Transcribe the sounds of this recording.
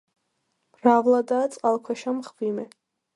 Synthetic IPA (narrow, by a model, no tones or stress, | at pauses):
mravlad̪aːt̪sʼqʼalˠkʰwɛʃamχbimɛ